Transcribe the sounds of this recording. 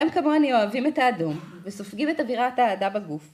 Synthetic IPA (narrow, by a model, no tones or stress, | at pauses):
emkamoanioavimetaːdom | vesofɡimet̪aviʁataːdabaɡuf